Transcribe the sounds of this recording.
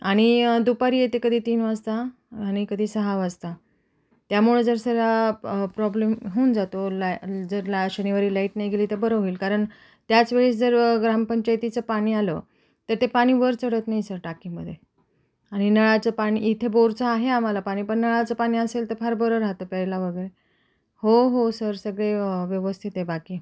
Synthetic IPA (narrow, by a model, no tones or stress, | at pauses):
aɽ̃id̪upaɾiːjet̪ekəd̪ʱiːt̪iːnʋad͡zt̪aː | ɽ̃ikəd̪ʱiːsəɦaʋəd͡zt̪a | t̪jamuɭəd͡zəɾsəɡapɾɔblemɦeund͡zat̪old͡zəɾlaɕəniʋaɾiːlaiʈnajɡeliːt̪əɾbəɾəɦoiːlkaɾəɳ | t̪jat͡sʋeɭeɕd͡zəɾɡɾampəɲt͡ɕajt̪it͡səpaɽ̃iːalə̰ | t̪əɾt̪epaɽ̃iːʋəɾt͡səɽət̪naɦjsəɾʈakiməd̪ʱːje | aɽ̃inəɭat͡səpaɽ̃iit̪ʰeboɾt͡saːɦeam̤alapaɽ̃iːpəɳnəɭat͡səpaɽ̃iːəselt̪əɾfaɾbəɾəɾaɦt̪opɛɭlaʋəɡəɾe | hoɦosəɾsəɡɭeʋjəʋəst̪ʰit̪ebakiː